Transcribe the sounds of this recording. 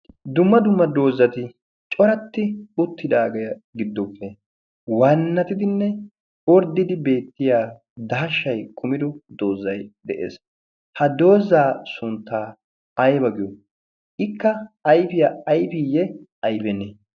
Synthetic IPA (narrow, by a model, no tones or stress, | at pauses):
d̪ʊmːɐd̪ʊmːɐd̪o̞ːzːɐt̪ɪ | t͡ʃʼɔɾɐt̪ːɪʊt̪ʰːɪd̪aːɡɛjɐɡɪd̪ːɔpːɛ | wɐnːɐt̪ɪd̪ɪnːɛ | ɔɾd̪ːɪd̪ɪbe̞ːt̪ːɪjaː | d̪ɐɦɐʃːɐjkʰʊmɪd̪ɔd̪o̞ːzːɐjd̪ɛʔḛːs | hɐd̪o̞ːzaːsʊnt̪ːaː | ɐjbɐɡɪjɔ | ʔɪkːɐɐjfɪjaɐjfɪjɛ | ɐjbɛne